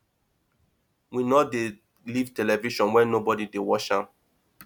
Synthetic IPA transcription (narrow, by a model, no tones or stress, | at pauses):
winɔde | livtɛlɛviʃɔ̃nwɛ̃nnobɔdidewɔʃãm